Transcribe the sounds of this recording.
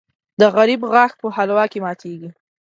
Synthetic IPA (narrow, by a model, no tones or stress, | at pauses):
d̪əɣaɾibɣaxpəhalwɑkemɑt̪ʰeɡi